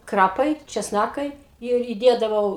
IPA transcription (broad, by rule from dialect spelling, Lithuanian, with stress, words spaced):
ˈkrɑːpɐɪ t͡ʃʲɛsˈnɑːkɐɪ ɪr iːˈdʲeːdɐʋɐʊ